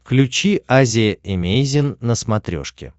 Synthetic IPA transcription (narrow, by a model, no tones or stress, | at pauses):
klʲʉt͡ɕiazʲɪəɪmʲejzʲɪnːəsmɐt̪ɾʲo̞̰ʂkʲɪ̰